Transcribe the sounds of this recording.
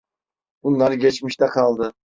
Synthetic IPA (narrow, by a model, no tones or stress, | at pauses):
ʊnlːˠɑɾɡʲet͡ʃmɪiʃt̪æqʰɑlˠd̪ɪ